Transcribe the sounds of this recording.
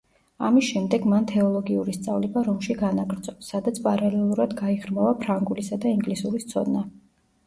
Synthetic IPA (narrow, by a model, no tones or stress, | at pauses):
a̰misʃɛmd̪ɛɡmant̪ʰɛɔlˠɔɡiuɾist̪sʼavlɛbaɾɔmʃiɡanaɡɾd̪zɔbsad̪at̪sʰpʼaɾalɛlˠuɾad̪ɡaiʁɾmavapʰɾaŋɡulisad̪aiŋɡlisuɾist̪sʰɔ̰d̪na